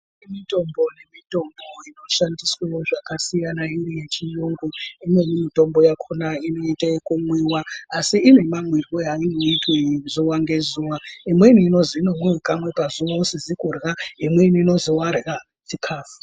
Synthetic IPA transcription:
emito̞mbo̞nemito̞mbo̞ino̞ʃandiswewoʐakasijanainije̞t͡ʃijoŋɡoimwe̞nimito̞mbo̞jakʰonaino̞itaekumwiwaasiine̞maŋwirojainoitwezuwaŋɡe̞zuwaimweinuino̞ziinomwiwekamwe̞pazuwaosid͡zikurɣaimweinuino̞zowarɣa | t͡ʃikʰaːfu̥

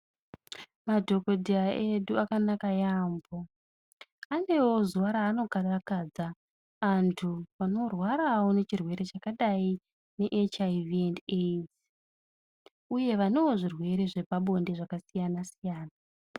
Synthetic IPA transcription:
madʱo̞ko̞dʱiaʔeɗuakanakajambo̞ | ane̞wo̞zuwaɾaːno̞karakad͡zaː | ntʰuʋano̞rwaɾawo̞ne̞t͡ʃirwe̞ɾe̞t͡ʃakaɗai | ne̞ʔet͡ʃaiviendet | uje̞ʋane̞woʐirwe̞ɾe̞ʐe̞paɓo̞nde̞ʐakasijanasijaːna

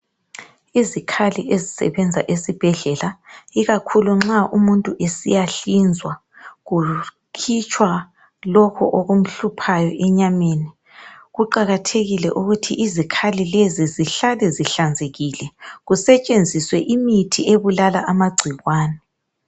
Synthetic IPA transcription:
izikʰaliʔezisɛ̰βɛnd͡zʱa̰ʔesib̥ʱɛɮɛlaiɣakʰuluŋ͡ǁaʔumuntʼuʔesḭjaɬind͡zʱwa | ɣu | kʰit͡ʃʼʰwa | lɔkʰɔʔoɣum̩ɬupʰajɔʔɛɲameːni | ɣuǃaɣatʰeɣilɛʔuɣutʰḭʔizikʰalileziziɬalɛziɬand͡zʱeɣilɛɣusɛt͡ʃʼend͡zʱiswɛʔimitʰieβulalaʔamaɡ͡ǀʱiɣwaːnɛ

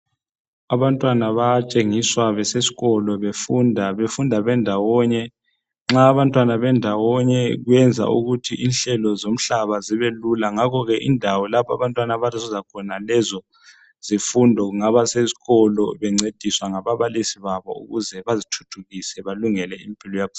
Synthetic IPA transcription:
aβantʼwanaβat͡ʃʼeŋiswaβɛsesi̥ɣɔlɔβefundʱaβefundʱaβɛndʱawɔɲɛ | ŋ͡ǁaːβantʼwanaβɛndʱawɔɲɛɣwɛnd͡zʱa̰ʔṵɣutʰiʔinɬɛlɔzom̩ɬaβaziβelulaŋakʰɔɣɛʔindʱawɔlapʰa̰βantʼwanaβatɔzizakʰɔnalɛzɔ | z̥ifundʱɔɣuŋaβasezi̥ɣɔlɔβɛŋ͡ǀed̥ʱiswaŋaβaβalisiβaβɔ̰ṵɣuzɛβazitʰu̥tʰuɣisɛβaluŋɛlɛimpʼilɔjapu

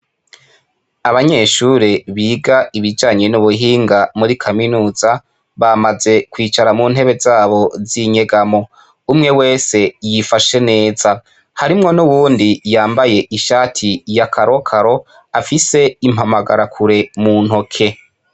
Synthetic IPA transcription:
aβaɲe̞ːʃuːɾeβiːɡaiβid͡ʒaːɲe̞nuβuɦiːŋɡamuɾikʰaminuːza | βamaze̞kwiːt͡ʃaɾamuːnhe̞βe̞zaːβo̞ziɲe̞ɡamo̞ | umŋe̞we̞ːse̞jifaʃe̞ne̞ːz̥a | haɾimŋo̞nuβuːndijaːmbaje̞ʔiʃaːtʰijakʰaɾo̞kʰaɾo̞ | afise̞imhamaɡa̰ɾakʰuɾe̞mun̥ho̞kʰe̞

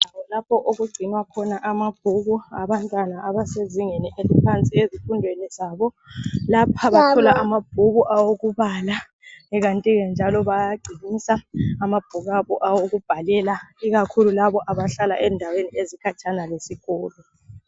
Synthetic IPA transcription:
aɔlapʰɔʔoɣuɡ͡ǀʱinwakʰɔnaʔamab̥̚ʱuɣuaβantʼwanaʔːβaseziŋeniʔelipʰant͡sʼiezifundʱwenizaβɔ | lapʰaβakʰulaʔamab̥̚ʱuɣuʔawoɣuβala | ɛɣantʼiɣɛnd͡ʒʱalɔβajaɡ͡ǀʱinisaːmab̥ʱuɣaβɔʔawoɣub̥ʱalɛlaiɣakʰululaβɔʔaβaɬalaʔɛndʱaweniezikʰat͡ʃʰʼanalesiɣɔːlɔ

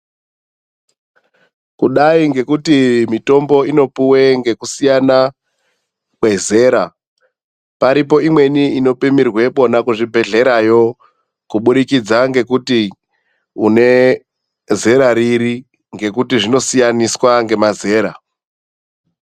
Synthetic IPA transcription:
kuɗaiŋɡe̞kutimito̞mbo̞ino̞puwe̞ŋɡe̞kusijana | kwe̞ze̞ːɾa | paɾip̬o̞imwe̞niino̞pimirwe̞po̞nakuʐibʱe̞ɮe̞ɾajo̞ | kuɓuɗikid͡zaŋɡe̞kuti | une̞ | ze̞ɾaɾiɾi | ŋɡe̞kutiʐino̞sijaniswaŋɡe̞maze̞ːɾa

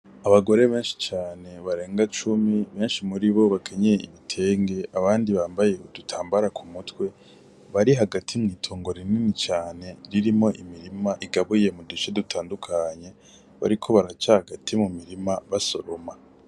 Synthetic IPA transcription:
aβaɡo̞ɾe̞βe̞ːnʃi̥t͡ʃaːne̞βaɾe̞ːŋɡat͡ʃumiβe̞ːnʃimuɾiβo̞βakʰeɲejeiβitʰe̞ːŋɡe̞ʔaβaːndiβaːmbaje̞udutʰaːmbaɾakʰumutwe̞ | βaɾiɦaɡatʰimŋiːtʰoːŋɡo̞ɾininit͡ʃaːne̞ɾiɾimo̞ʔimiɾimaʔiɡaβuje̞mudut͡ʃedutʰaːndukʰaɲe̞ | βa̰ɾikʰo̞βaɾat͡ʃahaɡatʰimumiɾimaβaso̞ɾo̞ma

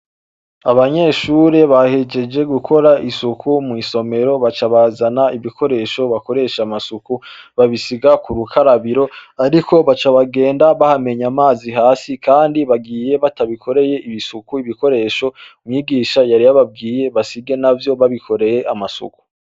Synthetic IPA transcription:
aβaɲe̞ʃuːɾe̞βahe̞d͡ʒe̞d͡ʒe̞ɡukʰo̞ɾaisukʰumŋiso̞me̞ɾo̞βat͡ʃaβazanaiβikʰo̞ɾe̞ʃo̞βako̞ɾe̞ʃamasukuβaβisiɡakuɾukʰaɾaβiɾo̞aɾikʰo̞βat͡ʃaβaɡe̞ːndaβahame̞ɲamaːziɦaːsikʰaːndiβaɡiːje̞βataβikʰo̞ɾe̞je̞iβisukuiβiko̞ɾe̞ʃo̞mŋiːɡiːʃajaɾijaβab̚ɡiːje̞βasiɡe̞navjo̞βaβikʰo̞ɾe̞je̞ʔamasṵku̥

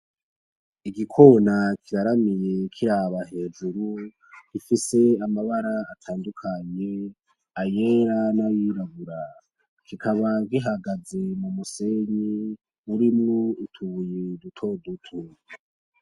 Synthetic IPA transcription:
iɡikʰo̞nakʰiɾaɾamije̞kʰiɾaβaɦe̞ːd͡ʒuɾu | ɡ̥ifise̞amaβaɾaːtʰaːndukʰaɲe̞ | ajeɾanajiɾaɡuɾa | kʰikʰaβaɡiɦaɡaze̞mumuse̞ɲi | uɾimŋoitʰuβujedutʰo̞dutʰu

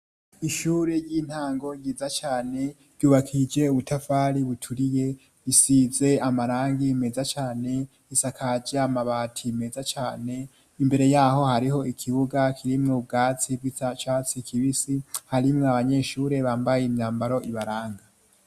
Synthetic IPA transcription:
iʃuːɾe̞jin̥haːŋɡo̞jiːzat͡ʃaːne̞ | ɾɟuːβakʰid͡ʒe̞uβutʰafaːɾiβutʰuɾije̞ | βisize̞amaɾaːŋɡiːme̞zat͡ʃaːne̞ | isakʰad͡ʒaamaβatʰime̞zat͡ʃaːne̞ | imbe̞ɾe̞jaːho̞haɾiho̞ikʰiβuɡakʰiɾimŋobɡaːt͡sib̚ɡiat͡ʃaːt͡sikʰiβisihaɾimŋoaβaɲe̞ʃuːɾe̞βaːmbajeimɲaːmbaɾo̞ʔiβaɾaːŋɡa

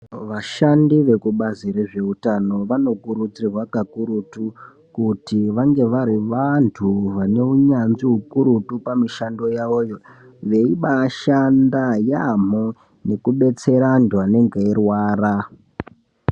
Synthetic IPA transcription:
ʋaʃandiʋe̞kuɓazire̞ʐe̞utano̞ʋano̞kuɾut͡sirwakakuɾutu | kutiʋaŋɡe̞ʋaɾiʋantʰuʋane̞uɲanziɦukuɾutupamiʃando̞jaoːjo̞ | ʋe̞iɓaʃandajam̤o | ne̞kuɓe̞t͡se̞ɾandʱwane̞ŋɡeirwaːra

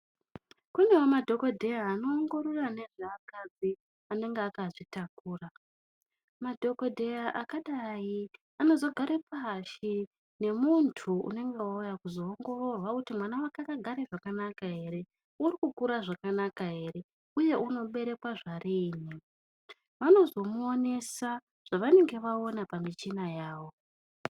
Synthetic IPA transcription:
kune̞womadʱo̞ko̞dʱe̞jaːno̞ːŋɡo̞ɾorane̞ʐeakad͡zi | ane̞ŋɡeakaʐitakuːra | madʱo̞ko̞dʱe̞jaʔakaɗai | ano̞zo̞ɡʱaɾepʰaʃi | ne̞muntʰuṵne̞ŋɡe̞ujakuzo̞ːŋɡo̞ro̞rwakutimwanawakakaɡʱaɾeʐakanakaɦe̞ɾe̞ | uɾikukuɾaʐakanakaɦe̞ɾe̞ | uje̞ʔuno̞ɓe̞ɾe̞kwaʐariːni | ʋano̞zo̞muone̞sa | ʐ̥aʋane̞ŋɡe̞ʋao̞napamit͡ʃinajaːʋo̞

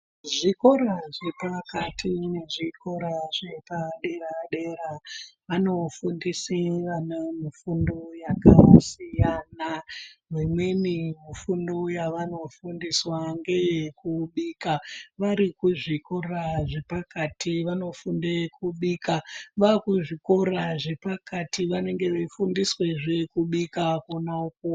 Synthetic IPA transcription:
ʐiko̞ɾaʐe̞pakatʰine̞ʐikʰo̞ɾaʐe̞paɗe̞raɗeɾaʋano̞fundiseʋanamifundojakasijanaʋemwe̞nimifundojaʋano̞fundiswaŋɡe̞jkuɓikaʋaɾikuʐiko̞raʐe̞pakatiʋano̞fundekʰuɓikaʋakuʐikoraʐe̞pakatiʋane̞ŋɡe̞ʋefundiswe̞ʐekuɓikakonauko

